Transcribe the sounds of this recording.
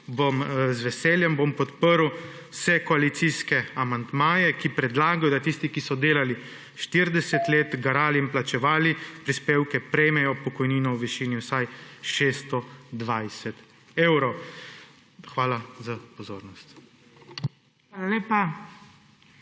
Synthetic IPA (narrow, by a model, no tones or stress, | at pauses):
bomzʋɛsɛːljɛmbompɔt̪pəɾw | sɛkɔalit̪siːskɛamand̪maːjɛkipɾɛd̪laːɡajɔd̪at̪ist̪ikisɔd̪eːlali | ʃt̪iɾd̪ɛsɛt̪leːt̪ɡaɾaːliːnplat͡ʃɛʋaːlipɾispeːwkɛpɾɛjmɛjɔpɔkɔjniːnɔwʋiʃiːniwsajʃeːst̪ɔd̪ʋajsɛt̪ | eːwɾɔw | xʋaːlazapɔzoːɾnɔst̪ | ʋaːlaleːpa